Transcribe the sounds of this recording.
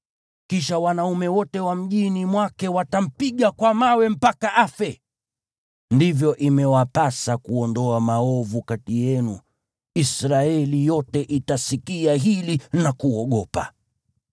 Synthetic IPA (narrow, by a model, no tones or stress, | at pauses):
kiʃawanaumɛwɔtɛwam̩ʄinimwakɛwatam̩piɠakwamawɛm̩pakaʔafɛ | ndivjɔʔimɛwapasakuɔndɔamaɔvukatijɛnṵ | isɾaɛlijɔtɛʔitasikiaɦilinakuɔɠɔpa̰